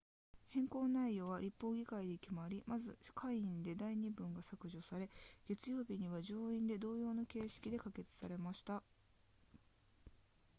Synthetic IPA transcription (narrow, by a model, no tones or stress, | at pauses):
hẽ̞ŋkõ̞ːnnːaijːo̞ːβaɾʲipːo̞ːɡʲikaid̪e̞kʲimaɾʲimazɨkʰaiĩnd̪e̞d̪aiɲ̟ibɯ̟̃ŋɡasakɯ̟ʑosaɾe̞ɡ̥e̞t͡sɨjo̞ːbʲiɲ̟iβaʑo̞ːĩnd̪e̞d̪o̞ːjo̞ːnoke̞ːɕi̥kʲid̪e̞kake̞t͡sɨ̥saɾe̞maɕi̥t̪a